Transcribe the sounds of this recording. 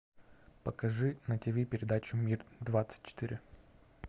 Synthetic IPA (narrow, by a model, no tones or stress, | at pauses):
pəkɐʐɨnɐtʲɪbʲipʲɪɾʲɪd̪at͡ɕʊmʲird̪vat̪sɨ̥t̚ʲt͡ɕːɪ̥t̪ɨɾʲɪ